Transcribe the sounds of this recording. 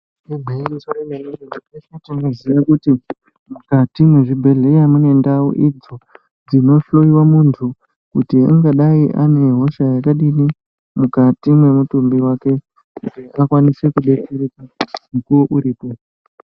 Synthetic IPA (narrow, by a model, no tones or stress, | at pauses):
nemʱeiisoɾemeneoiefetinoziʋakuti | mukatimwe̞ʐibʱe̞ɮejamune̞ndawo̰ʔid͡zo̞ | d͡zino̞ɬo̞iwamuntʰu | kutia̰ŋɡaɗaiʔa̰ne̞ɦo̞ʃajakaɗini | mukatimwe̞mutumbiwake̞ | kuteakwanise̞kuɓe̞t͡serikamukuwoʔuɾiːpo̞